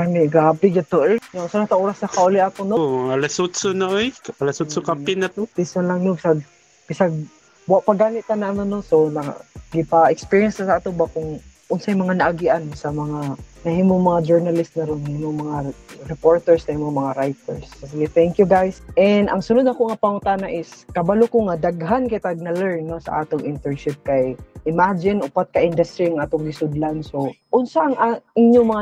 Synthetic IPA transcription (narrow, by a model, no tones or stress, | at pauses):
anɪɡaapɪɡat̪oʔnasanat̪aʔoɾasnɐkaʔʊlɪʔak̪onomɐŋalasut̪sonaʔojalasut̪sokapɪnat̪opisanlaŋnobsaɡ̚ | bɪsaɡ̚ | bwaʔpaɡaːlɪʔt̪ananonosonɐ̰ɡɪpaɪkspiɹiɛnst̪asaʔat̪obakʊŋʔʊnsajmɐŋanaʔaɡɪʔansamɐŋanɐhimoŋmɐŋad͡ʒɛɹnɐlɪst̪̚nɐɾonɐhimoŋmɐŋaɾɛpoɹt̪ɛɹsnɐhimomɐŋaɾajt̪ɛɹssiɡɛt̪ɛŋkjuɡajsʔɛnd̪ʔɐŋsʊnʊd̪nɐkoŋapɐŋʊnt̪anaʔɪskɐbalokoŋad̪aɡɦankɪjt̪aɡ̚nɐlɛɹnːosɐ̰ʔaːt̪oŋʔɪnt̪ɛɹʃɪp̚kajʔɪmad͡ʒɪnʊpat̪̚kɐʔɪnd̪ɐst̪ɾiɐŋʔaːt̪oŋɡɪsʊd̪lansoʔʊnsaʔŋʔaʔɪɲjoŋmɐŋa